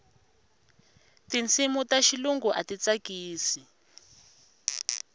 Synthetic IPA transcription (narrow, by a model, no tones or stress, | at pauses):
tint͡sʰimutaʃiluŋɡuʔatit͡sakiːsi